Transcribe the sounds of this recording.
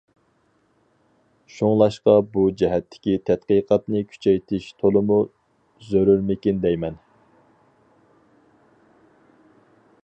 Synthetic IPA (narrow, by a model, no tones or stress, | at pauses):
ʃuŋlˠɑʃqɑbud͡ʒɛɦɛt̪ʰːɪ̥kʲit̪ʰɛt̪̚qəjqʰɑt̪nɨkʲʰy̥t͡ʃʰɛjt̪ʰɪʃt̪ʰolˠɨmu | zøɾyɾmɪkʲind̪ɛjmɛn